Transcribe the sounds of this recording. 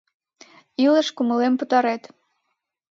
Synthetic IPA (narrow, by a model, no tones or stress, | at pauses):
ilə̆ʃkuməlempət̪ɑɾet̪